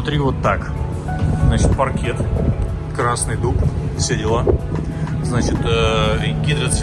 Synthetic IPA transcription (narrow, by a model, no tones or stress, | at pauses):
ʊt̪ɾʲivot̪ːak | znat͡ɕɪt̪̚pɐrkʲet̪ | kɾasnɨjd̪uksʲedʲɪlˠa | znat͡ɕɪt̪əɡʲid̪ɾət̪sʲ